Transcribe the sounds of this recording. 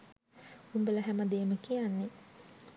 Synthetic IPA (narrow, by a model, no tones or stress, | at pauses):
umbələɦæməd̪eːməkijanːe